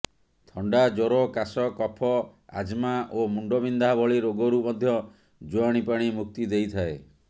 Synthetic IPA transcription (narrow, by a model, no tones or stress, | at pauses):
t̪ʰɔɳɖad͡ʒoɾɔkasɔkɔpʰɔa̰d͡ʒmaʔomuɳɖɔbind̪abʱɔɭiɾoɡɔɾumɔd̪ʱjɔ | d͡ʒoaɽ̃ipaɽ̃imuk̚t̪id̪ejt̪ʰae